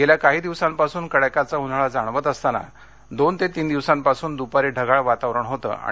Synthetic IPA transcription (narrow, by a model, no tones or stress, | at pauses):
ɡeljakaɦiːd̪iʋsampasuːnkəɽakat͡saɦun̤aɭad͡zaɳ̃ʋət̪əst̪ana̰ | d̪ont̪et̪iːnd̪iʋsãmpasuːnd̪upaɾeɖʱəɡaɭʋat̪aʋɾəɳɦot̪ə̰ːa̰